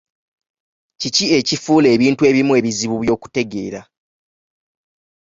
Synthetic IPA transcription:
cicie̞cifuːle̞ːβiːntue̞ːβimue̞ːβiziβuβjo̞ːku̥te̞ɡe̞̰ːɾa̰

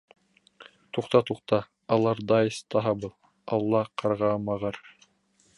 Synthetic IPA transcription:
t̪uqt̪ɑt̪uqt̪ɑ | ɑlˠɑɾd̪ɑjst̪ɑɦɑbɤlˠ | ɑlˠːɑqʰɑɾʁɑmɑʁɤɾ

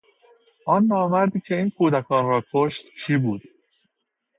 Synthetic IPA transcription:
ʔɒːnːɒːmæɾd̪iːcʰe̞iːnkʰuːd̪ækʰɒːnrɒːkʰoʃt̪kʰiːbuːd̪̥

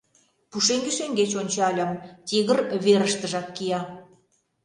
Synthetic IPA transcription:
puʃeŋɡeʃeŋɡet͡ɕonʲt͡ɕɑlʲɑmt̪ʲiɣərβeɾəʃt̪ə̆ʒɑkkijɑ

